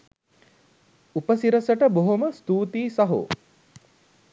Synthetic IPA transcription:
upəsiɾəsəʈəboɦoməst̪uːt̪iːsaɦo̰

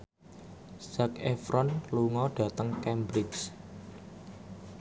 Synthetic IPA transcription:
sakefɾɔnluŋɔɖ̥a̤t̪əŋkɛmbɾɪks

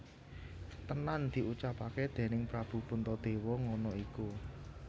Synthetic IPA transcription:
t̪ənand̪̥i̤ʔut͡ʃapaked̪̥e̤nɪŋpɾab̥ṳpunt̪ɔd̪̥e̤wɔŋɔnɔiku

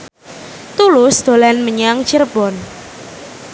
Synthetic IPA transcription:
t̪ulʊsd̪̥o̤lanməɲaŋt͡ʃərb̥ɔn

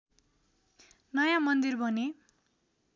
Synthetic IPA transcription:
nʌjamʌnd̪irbʱʌne

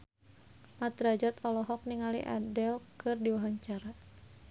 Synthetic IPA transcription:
mat̪ɾad͡ʒat̪ʰɔlɔɦɔk̚niŋalḭʔa̰dɛlkɨrdiwaɦaɲt͡ʃaɾa

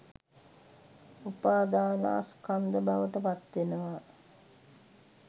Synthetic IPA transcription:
upaːd̪aːnə̰a̰skand̪əbaʋəʈəpat̪ʋenəʋa

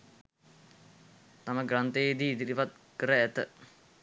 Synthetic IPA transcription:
t̪aməɡrant̪eed̪iːd̪iɾiʋat̪̚kəɾəæt̪ə

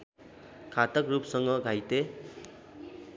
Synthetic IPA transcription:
kʰat̪ʌkrupsʌŋɡʌɡʱajt̪e

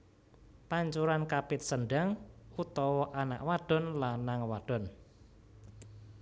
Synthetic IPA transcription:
paɲt͡ʃuɾankapɪt̪̚sənɖaŋut̪ɔwɔʔana̰ʔwaɖ̥ɔ̤nlanːaŋwaɖ̥ɔ̤n

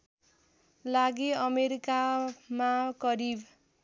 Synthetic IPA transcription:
laɡiʌmeɾikamakʌɾib

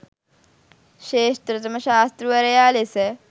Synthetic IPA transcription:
ɕeːʃt̪ɾɨt̪ɐmɐɕaːst̪ɾuʋɐɾɐjaːlesɛ

